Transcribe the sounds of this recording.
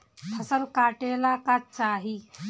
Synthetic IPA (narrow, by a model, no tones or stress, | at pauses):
t̪ʰɐsɐɾkaːʈeːlaːkat͡ʃaːɦi